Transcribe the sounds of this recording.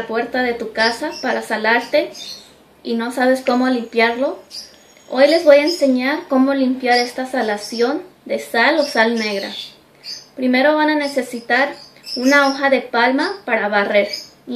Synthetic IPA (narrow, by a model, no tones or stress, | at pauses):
pwe̞ɾt̪aðe̞t̪ukasapaɾasalaɾt̪e̞ | ino̞saβ̞e̞sko̞mo̞limpjaɾlo̞ | o̞jle̞zβo̞jaense̞ɲaɾkomo̞limpjaɾe̞st̪asalasjo̞nd̪e̞salo̞salne̞ɣɾa̰ | pɾime̞ɾo̞βanane̞se̞sit̪aɾunao̞xaðe̞palmapaɾaβare̞ɾ